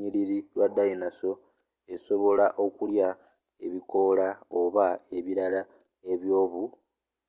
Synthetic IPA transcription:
ɲiɾiɾilwadːajinaso̞ | e̞so̞βo̞laʔo̞kulja | e̞βiko̞lao̞βae̞βiɾala | e̞βjo̞ːβu

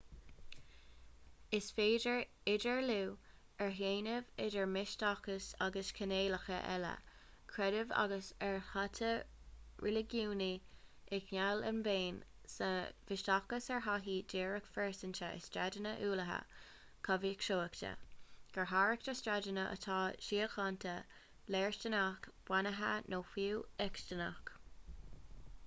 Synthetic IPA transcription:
ɪsfeːdəɹɪdəɹluː | ɛɹɦeːnəvɪdəɹmɪʃtakəsaɡəskʰəneːləxə̰ʔɛ̰lə̰ | kʰɹɛdəva̰ɡəsɛɹhatʰə | ɹɛlɪɡjuːni | ɪknalənbeːn | sə̰v̥ɪʃtakəsɛɹɦaɦiːd͡ʒeːɹəkfɛɹsəntəə̰stɹadənəʔuːləɦə̰ | kʰavikʃoːəktʰə̰ɡ̥əɹɦaːɹək̚təstɹadənəʔə̰t̪ʰɑːʃiːəxɑnt̪ʰə | lɛːɹst͡ʃənakb̥wanəɦə̰nʔoːfiɛkʃtəna̰k

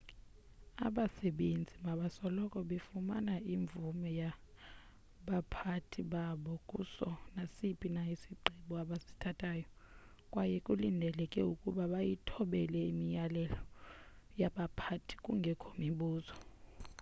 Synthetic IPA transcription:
a̰ɓasɛɓend͡zʱimaɓasɔlɔkʼɔɓefumanaiɱbvumɛja | ɓapʰatʰiɓaɓɔkʼṵsɔnasipʼinaisiɡ͡ǀʱiɓuaɓasi̥tʰatʼaːjɔ | kʼwajɛkʼulindʱɛlɛkʼɛukʼuɓaɓajitʰɔɓɛlɛimijalɛlɔ | jaɓapʰatʰi̥kʼuŋɡʱɛkʰomiɓuːzɔ

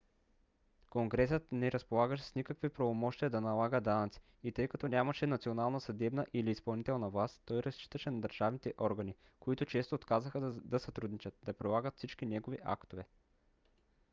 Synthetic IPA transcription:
koŋɡɾɛsət̪nɛɾɐspolˠaɡəʃɛsnikəkvipɾɐvomɔʃt̪iəd̪ɐnɐlˠaɡəd̪anɐt̪si̥ | it̪ɤjkɐt̪ɔnʲamɐʃɛnɐt̪sionalˠnɐsɐd̪ɛbnɐʔiliːspɐlˠnit̪ɛlˠnɐvlˠast̪t̪ːɔjɾɐst͡ʃi̥t̪əʃɛnɐd̪əɾʒ̥avnit̪ɛʔɔɾɡɐni | koit̪ʊt͡ʃɛst̪oːt̪kazəxəd̪ɐsɐt̪ɾud̪nit͡ʃət̪̚d̪ɐpɾilˠaɡət̪fsit͡ʃk̟inɛɡoviʔa̰kt̪ovɛ

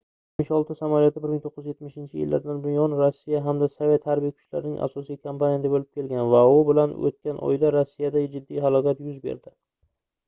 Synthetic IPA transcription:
et̪mɪʃɒlˠt̪ɪsamaljɒt̪ʰɪbɪɾmɪŋt̪ʰoqːɨzjet̪mɪʃɪnt͡ʃʰɪjɪ̰lːa̰ɾd̪anbʊnjɒnɾosːijaɦamd̪asave̞t̪haɾbijakʰʊ̥t͡ʃla̰ɾɪnɪŋʔa̰sɒsijkʰampanjad̪ebolɪp̚kʲʰe̞lɡʲanvaʊbɪlano̰t̪̚kʲanʔɒ̰jd̪aɾosːijad̪ad͡ʒɪd̪ːijɦalˠɒkʲat̪jʊzbḛɾd̪ɪ

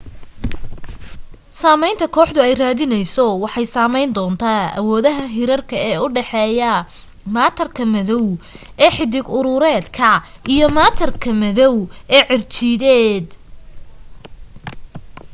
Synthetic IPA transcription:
saːmɛjnt̪ʰɐkʰɔːħd̪ʊɛjraːðɪnɛjsɔwɑħɑjsaːmɛjnd̪ɔːnt̪ʰaːɐ̰wɔːðɐɦɐɦɪɾɐrkʰɐɛːʊɖɛħɛːjɐ | maːt̪ʰɐrkʰɐmɐðɔw | ʔɛːħɪd̪ɪɡʊɾʊɾɛːd̪kʰɐʔijɔmaːt̪ʰɐrkʰɐmɐðɔwɛːʕɪrt͡ʃiːðɛːd̪

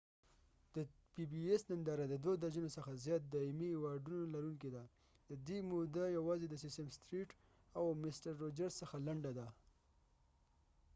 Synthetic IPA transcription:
d̪̥əpibiesnand̪ɑɾad̪əd̪wod̪ad͡ʒunosəxazjɑt̪̚d̪ɑimihewɑɖunolaɾuŋk̬ed̪a | d̪̥əd̪emod̪ajawɑzed̪əsɪsəmst̪ɾiʈ | awmɪsʈaɾːod͡ʒaɾzsəxalaɳɖad̪a

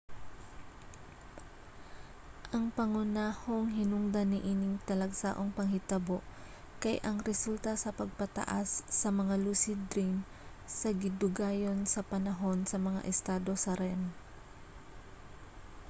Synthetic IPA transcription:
ʔɐŋpɐŋʊnaːho̞ŋɦɪnʊŋd̪ɐnɪʔiːnɪŋt̪ɐlɐɡsa̰ːʔoŋpɐŋhɪt̪ɐbo̞ʔ | kɐjʔɐŋɾɛsult̪ɐsɐpɐɡ̚pɐt̪ɐ̰ʔasːɐmɐŋaluːsɪd̪ɾim | sɐɡɪd̪ʊɡaːjo̞nsɐpɐnɐɦo̞nsɐmɐŋa̰ʔɛst̪aːd̪o̞sɐɾɛm

